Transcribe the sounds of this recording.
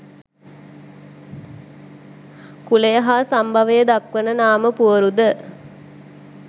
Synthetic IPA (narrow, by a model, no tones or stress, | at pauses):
kulejəɦaːsambʱɐʋəjəd̪akʋənənaːməpuəɾud̪ə